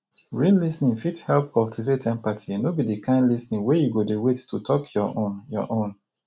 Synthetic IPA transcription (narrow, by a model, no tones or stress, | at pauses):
ɹĩnlisnĩŋfithɛlp̚kɔltʰivetɛ̃npatʰinobidikãɪ̃ndlisnĩŋwejuɡodewetːutʰɔkjɔõnjɔ̰ʔõn